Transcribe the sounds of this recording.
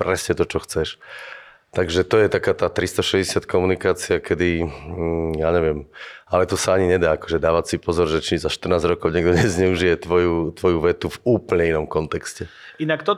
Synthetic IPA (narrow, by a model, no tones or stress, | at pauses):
pɾɛsɲɛt̪ɔt͡ʃɔxt͡sɛʃ | t̪aɡʒɛt̪ɔjɛt̪akaːt̪aːt̪ɾist̪ɔʃɛzɟɛsɪat̪kʰɔmunikaːt͡siakɛd̪i | jaːɲɛʋɪɛmalɛt̪ɔsaaɲiɲɛd̪aːakɔʒɛd̪aːʋat͡sipɔzɔɾʒɛt͡ʃizaʃt̪r̩naːzɾɔkɔʊɲɛɡ̚d̪ɔɲɛzɲɛuʒijɛt̪ʋɔjut̪ʋɔjuʋɛt̪uvuːplɲɛinɔmkɔnt̪ɛkscɛ | inakt̪ɔ